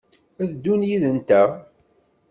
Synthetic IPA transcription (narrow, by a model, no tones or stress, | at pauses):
æðd̪ːunjiðənt̪æ